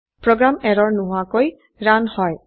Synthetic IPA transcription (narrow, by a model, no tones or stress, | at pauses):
pɾɔɡɾameɾɔɹnuɦwakoj | ɾanhɔj